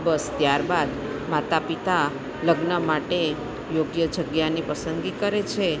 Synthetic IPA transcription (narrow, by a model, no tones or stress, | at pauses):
bəst̪jaɾbad̪ | mat̪apit̪a | ləɡnəmaʈe | joɡjəd͡ʒəɡjanipəsənɡikəɾet͡ʃʰe